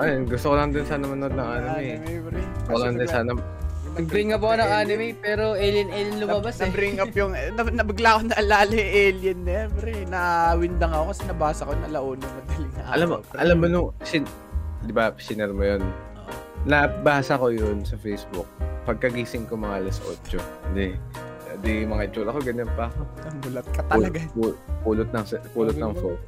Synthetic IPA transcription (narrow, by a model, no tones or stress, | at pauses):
ɐjonɡʊst̪okolɐmɐnd̪ɪnsaːnɐmɐnod̪nɐŋʔaːnɪmːɛ | ɾɛt̪okolɐŋnd̪ɐsaːnɐ | nɐɡ̚bɾɪŋɐpɐkonɐŋaːnɪmɛpɛːɾoʔɛljɐnɛljɐnlʊmabasɐbɾɪŋɐpjʊŋɐnɐbɪɡlaʔkonɐʔɐlaːlɐʔɛljɐnːɛmbɾɛnɐwɪnd̪ɐŋɐkokɐsɛnɐbaːsɐkonɐlɐʔoːnɐmɐd̪ɐlɪŋnɐʔaʔɐlamːoʔɐlamːonʊŋsɪn | d̪ɪbɐpsɪnɛɾmojonoʔ | nɐbaːsɐko̞jonsɐfɛjsbʊk̚pɐɡ̚kɐɡiːsɪŋkomɐŋalɐsʔo̰ːt͡ʃoʊnd̪ɛ | d̪imɐŋaɪt͡ʃolɐko̞ɡɐɲːonpɐɐkonɐŋbʊlɐt̪̚kɐt̪ɐɐɡaupuːlʊt̪̚nɐŋsɛpuːlʊt̪nɐŋfo